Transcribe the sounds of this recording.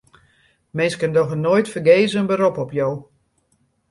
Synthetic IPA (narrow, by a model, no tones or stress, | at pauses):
mɪnskəndɔxənojtfəɡeːzəənbəɾopɔpjoː